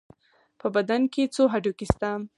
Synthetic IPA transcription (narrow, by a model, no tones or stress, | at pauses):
pəbad̪anket͡soɦaɖokist̪am